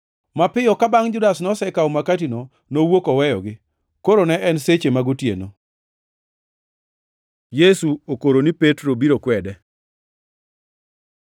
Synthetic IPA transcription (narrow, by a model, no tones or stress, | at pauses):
mapɪjɔkabaŋd͡ʒʊdasnɔsɛkaɔmakatino | nowokɔwɛjɔ̰ɡɪ | koɾonɛʔɛnset͡ʃemaɡʊtjḛno | jesuokoɾonipetɾobiɾokwɛdɛ